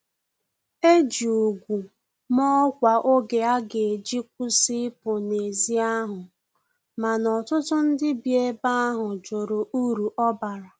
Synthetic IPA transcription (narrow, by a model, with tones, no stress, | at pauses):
e˦d͡ʒi˨o˨ɡʷu˨ | mɔ˦kʷa˨ʔo˦ɡe˨a˦ɡe˨e˨d͡ʒi˦k̚ʷu˦si˦pʊ˨ne˨zi˦a˦ɦʊ˨ | ma˨nɔ˨tʊ˦tʊ˦n̩˦dɪ˦bje˦ba˦ɦʊ˨d͡ʒo˨ɾo˨ʔu˦ɾu˨ʔɔ˦ba˨ɾa˨